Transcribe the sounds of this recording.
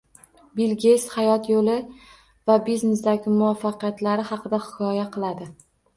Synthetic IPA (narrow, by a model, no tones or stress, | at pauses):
bilɡʲeshajɒt̪jolɪ | vabiznesd̪aɡʲɪmʊɒfːɑqɨjat̪laɾɪhɑqɨd̪ahɪkʰɒjaqʰɨlˠad̪ɪ